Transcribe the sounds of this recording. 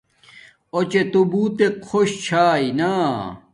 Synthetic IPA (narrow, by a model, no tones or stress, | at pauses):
ot͡ɕet̪ubuːt̪ekʰoɕt͡ɕʰaːinaː